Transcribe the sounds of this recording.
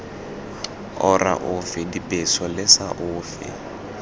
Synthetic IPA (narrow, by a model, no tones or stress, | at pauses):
ɔɾʔa̰ʔʊfɪdibɛsɔlɪsaʔʊːfɪ̰